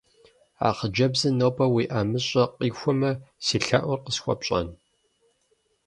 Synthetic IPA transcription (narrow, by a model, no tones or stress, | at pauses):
a̰ːχəd͡ʒɐbzɨnoːpʼɐwiːʔaːmɨɕʼɐqiːxʷɔmɐsiːɬaʔʷʊrqəsxʷɔ̰pɕʼɐ̰n